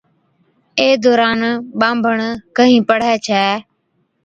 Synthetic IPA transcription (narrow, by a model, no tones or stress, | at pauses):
eːd̪ɔːɾaːnɓãːmbʱəɳkəɦĩːpəɽ̤ɛːt͡ʃʰɛː